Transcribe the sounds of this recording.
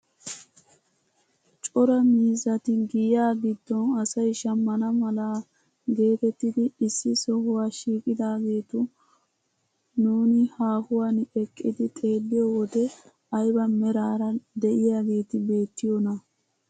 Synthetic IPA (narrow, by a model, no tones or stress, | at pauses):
t͡ʃʼɔɾɐmiːzɐt̪ɪɡɪjaːɡɪd̪ːɔnɐsɐjʃɐmːɐnɐmɐlaː | ɡe̞ːt̪ɛt̪ːɪd̪ɪɪsːɪsɔhʊwaːʃiːkʼɪd̪aːɡe̞ːt̪ʊ | nuːnɪhaːhʊwaːnɛkʼːɪd̪ɪt̪ʼe̞ːd̪ːɪjowɔd̪ɛ | ɐjbɐmɛɾaːɾɐd̪ɛʔɪjaːɡe̞ːt̪ɪbe̞ːt̪ːɪjɔnɐ